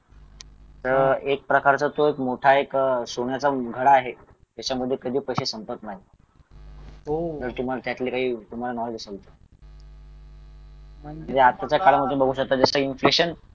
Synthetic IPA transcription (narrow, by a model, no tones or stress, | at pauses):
t̪əɾek̚pɾəkaɾt͡sat̪oekmoʈʰaeksoɳjat͡saɡʱəɽaːɦe | d͡ʑat͡ɕaməd̪ʱːjekəd̪ʱiːpəjɕesəmpət̪naɦi | ot̪əɾt̪um̤alat̪jat̪lekaɦiːt̪um̤alanɔʋed̪isəɡt̪ə̥ | m̤əɳd͡zeat̪ːat͡ɕjakaɽaməd̪ʱũnbəɡʱuːɕək̚t̪ad͡zəsəinfleɕən